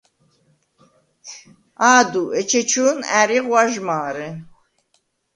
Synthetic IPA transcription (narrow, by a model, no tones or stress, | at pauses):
aːd̪uʔɛt͡ʃʰɛt͡ʃʰuːnæːɾiʁwaʒmaːɾɛ